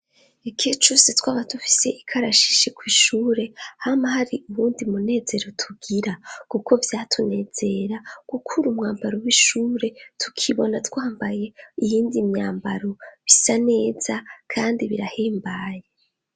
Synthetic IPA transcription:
ekʰet͡ʃusetwaːβatufi̥se̞ʔikʰaɾaʃi̥ʃekwiːʃuːɾe̞hamahaɾiʔuβuːndimune̞ːze̞ɾo̞tʰuɡiɾakuko̞vjaːtʰune̞ːz̥e̞ɾakukʰuɾumŋaːmbaɾowiʃuːɾetʰu̥kʰiβo̞natwaːmbaje̞ijiːndimɲaːmbaɾoβisane̞ːz̥akʰaːndiβiɾaheːmbaje

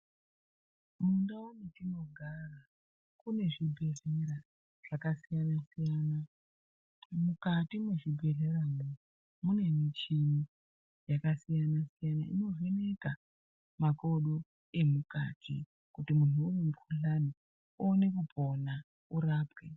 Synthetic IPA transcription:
mundaunetino̞ɡʱara | kune̞ʐibʱe̞ɮeɾa | ʐ̥akasijanasijaːna | mukatimweʐibʱe̞ɮe̞ramo | mune̞mit͡ʃini | jakasijanasijana̰ḭno̞ve̞ne̞ka | mako̞ɗo̞ | e̞muka̰ːtʰḭ | kutimun̤uːrimukuɬani | uːne̞kupʰo̞na | uɾaːpwe

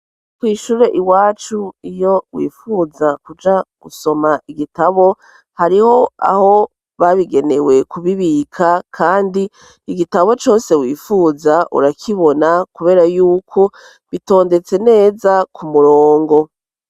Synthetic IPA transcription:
kwiːʃuːɾe̞ʔiwaːt͡ʃuijo̞wḭːfuzakud͡ʒaɡ̥uso̞maʔiɡitaβo̞ | haɾiho̞a̰ho̞ | βaβiɡe̞ne̞we̞kʰuβiβikʰakʰaːndi | iɡitaβo̞t͡ʃo̞ːse̞wiːfuzaʔṵɾakʰiβo̞nakuβe̞ːɾajuːkʰo̞ | βito̞ːnde̞t͡se̞ne̞ːzakumuɾoːŋɡo̞

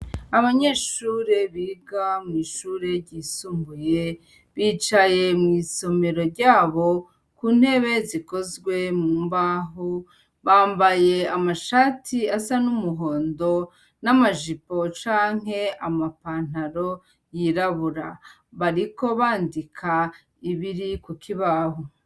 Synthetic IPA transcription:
aβaɲe̞ːʃuːɾe̞βiːɡamŋiːʃuːɾe̞ɾɟiːsuːmbuje̞ | βiːt͡ʃaje̞mŋiːso̞me̞ɾo̞ɾɟaːβo̞ | kuːn̥he̞βe̞ziko̞zɡwe̞muːmbaɦu | βaːmbaje̞amaʃaːtʰiasanumuɦo̞ːndo̞ | namaʒipo̞t͡ʃaːŋ̥ɦe̞amapaːn̥haɾo̞ | jiɾaβuɾa̰ | βaɾiko̞βaːndikʰa | iβiɾikukʰiβaːho

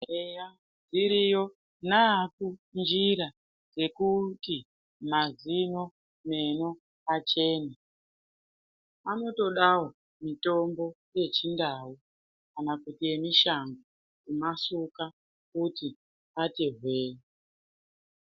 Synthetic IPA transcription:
eja | d͡ziɾijo̞ | nakund͡ʒiɾa | d͡ze̞kuti | mazino̞ | me̞no | at͡ʃe̞ːna | ano̞to̞ɗawo̞ | mito̞mbo̞ | je̞t͡ʃindaːwu | kanakutie̞miʃaŋɡo | kumasuka | kuti | ateɦweːje

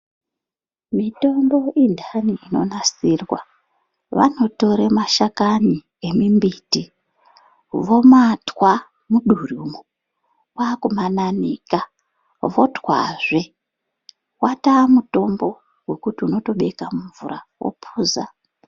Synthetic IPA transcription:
mito̞mbo̞indʱaniino̞̰nasirwa | ʋa̰no̞to̞ɾemaʃakani | e̞mimbiti | ʋo̞matwa | muɗurumu | wakumananiːka | ʋo̞twa̰ʐe | watamuto̞mbo̞ | we̞kutiuno̞to̞ɓe̞kamuɱvṵɾawo̰pʰuːza

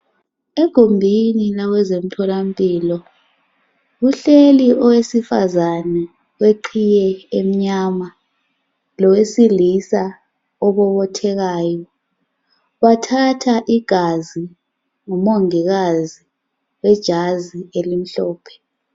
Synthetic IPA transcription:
eɡ̥ʱombʱinilaɣwɛzem̩tʰɔlam̩pʼiːlɔ | ɣuɬeliʔɔwesifa̰zanɛ | weǃʰijɛem̩ɲama | lɔwesilisa | ɔβɔβɔtʰɛɣaːjɔ | βatʰatʰaʔiɡ̥ʱazi | ŋumoŋiɣazi | wɛd̥ʒ̥ʱazielim̩ɬɔːpʰɛ̥

